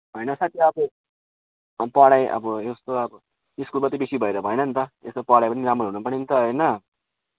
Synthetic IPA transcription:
ɦʌjnʌsat̪ʰjiʌbʌ | pʌɽajʔʌ̰bʌest̪oʌbʌ | iskulkʌt̪ibesibʱʌeɾʌbʱʌjnʌnt̪ʌḛst̪opʌɽajpʌniɾamroɦunupʌrnint̪ʌɦʌjnʌ

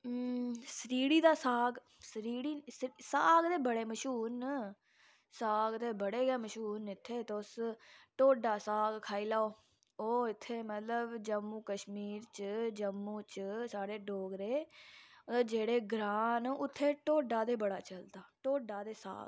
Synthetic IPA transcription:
səɾiːɽiːd̪aːsaːɡ | səɾiːɽiːsɾisaːɡd̪eːbəɽeːməʃuːn | saːɡt̪eːbəɽeːɡeːməʃuːnɪt̪ʰːeːt̪ːʊsʈoːɖaːsaːɡkʰaːiːlaːoː | oːɪt̪ʰːeːmət̪ləbd͡ʒəmːũːkəʃmiːɾt͡ʃd͡ʒəmːũːt͡ʃsaːɾeːɖoːɡɾeː | d͡ʒeːɽeːɡɾaːnʊt̪ʰːeːʈoːɖaːd̪eːbəɽaːt͡ʃəld̪aːʈoːɖaːd̪eːsa̰ːɡ

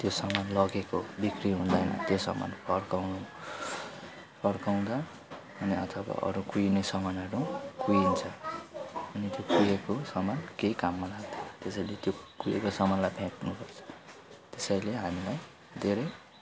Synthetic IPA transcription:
t̪josʌmanlʌɡekobikriɦũnd̪ʌjnʌ̰t̪josʌ̰ma̰npʰʌrkawnu | pʰʌrkaw̃d̪ʌː | niʌt̪ʰʌba̰ʔʌ̰ɾukujnesʌmanʌɾukujint͡sʰʌ | ʌnit̪jokujekosʌmankeikamːʌlaɡd̪ot̪esʌjlet̪jokujḛkosʌmanlajpʰãtnupʌrt͡sʰʌ̥t̪esajleɦamilaj | d̪ʱeɾʌj

